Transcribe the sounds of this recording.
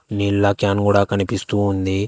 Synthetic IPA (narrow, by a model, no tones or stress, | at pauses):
niɭːɐkjaːnkuːɽaːkɐnipist̪uːnd̪i